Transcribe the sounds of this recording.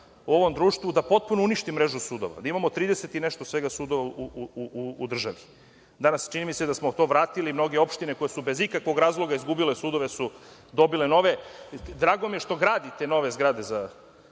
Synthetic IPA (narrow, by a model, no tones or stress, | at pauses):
uo̞ʋo̞md̪ɾuːʃt̪ʋud̪apo̞t̪̚punouniʃt̪imɾeʒusuːd̪o̞̰ʋa̰d̪aimamo̞t̪ɾiːd̪eset̪ine̞ʃt̪osʋeɡasuːd̪oʋauuuuud̪r̩ʒaʋi | d̪anast͡ʃinimised̪asmot̪o̞ʋɾaːt̪ilimno̞ɡeo̞pʃt̪ine̞ko̞jesube̞zikakʋoɡɾaːzlˠo̞ɡaizɡubilesuːd̪o̞ʋe̞sud̪o̞bile̞no̞ʋe̞d̪ɾaːɡo̞mijeʃt̪o̞ɡɾaːd̪it̪eno̞ʋe̞zɡɾaːd̪e̞za